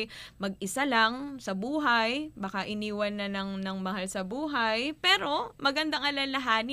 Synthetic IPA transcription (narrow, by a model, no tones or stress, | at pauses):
mɐɡ̚ʔɪsalɐŋsɐbuːɦɐjbaːkaʔɪniːwɐnːɐnɐŋnɐŋmɐhalsɐbuːɦɐjpɛːɾo̞mɐɡɐnd̪aŋʔɐlɐlɐɦaːnɪ